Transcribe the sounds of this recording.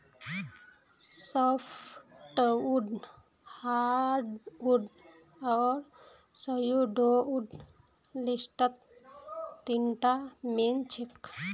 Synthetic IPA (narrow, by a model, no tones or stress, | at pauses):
sɔpʰʈuɖ | haɖuɖ | ɔːɾ | səjuɖouɖ | lisʈət̪ː | iɳʈament͡ʃʰik